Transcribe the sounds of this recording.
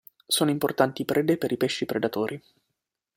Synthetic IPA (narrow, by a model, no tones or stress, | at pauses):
soːnoimport̪ant̪iːpɾʔeːd̪epeɾipeʃːipɾed̪at̪oːɾʔi